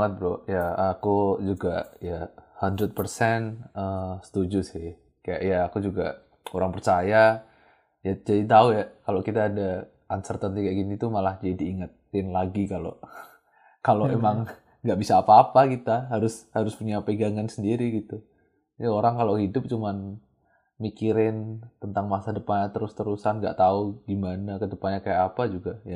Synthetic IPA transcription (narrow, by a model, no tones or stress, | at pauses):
ŋət̪̚bɾojaakud͡ʒuɡajahand̪ɾət̪̚pərsɛnəsə̥t̪ud͡ʒʊsɪ | kaja̰ʔjaːkud͡ʒuɡa̰ | oɾaŋpərt͡ʃaja | jad͡ʒadit̪aujakalokit̪aːda | ansərt̪ant̪ikaaʔɡinit̪umalahd͡ʒadiːŋat̪ɪnlaɡikalo̰ | kaloemaŋː | ɡaʔbisaːpaːpakit̪aɦaɾʊshaɾʊspuɲapəɡaŋansəndiɾiɡit̪u | ioɾaŋkalohidʊp̚t͡ʃuman | mikiɾɪnt̪ənt̪aŋmasadəpaɲat̪əɾʊst̪əɾusanŋɡa̰ʔt̪auɡimanakədəpanɲakajaʔapad͡ʒuɡaja